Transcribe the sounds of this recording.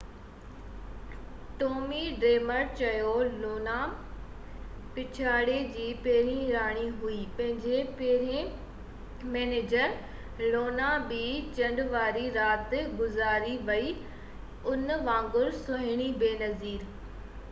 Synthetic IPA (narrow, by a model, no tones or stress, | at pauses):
ʈoːmiɖɾeːməɾt͡ɕɐjoloːna | pɪt͡ɕʰaːɽed͡ʑiːpeːɾĩɾaːɽ̃iɦuiːpɐ̃ɦɪ̃ɲd͡ʑeɾ | mɛːneːd͡ʑəɾ | loːnabit͡ɕɐ̃ɳɖʋaːɾiɾaːt̪ɡʊzaːɾiʋɐi | ʊnʋãːŋɡʊɾsʊɦɪɽ̃ibeːnɐziːɾ